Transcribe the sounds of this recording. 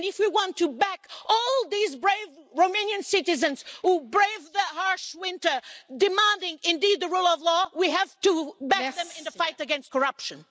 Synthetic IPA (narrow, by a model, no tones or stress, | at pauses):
nɨfwiwɑ̃ntʰɨbækɔlˠðizbɹeɪvɹoʊmẽɪ̃nɨ̃nsɪɾɨzɨ̃nz̥hubɹeɪvðəhɑɹʃwɪ̃ntə˞dɨmæ̃ndɪ̃ŋɪ̃ndid̪̚ðɨɹulˠʌvlɔwiæv̥təbækðɨ̃mɨ̃nɨfaɪɾɨɡɛ̃nst̚kʰə˞ʌpʃɨ̃n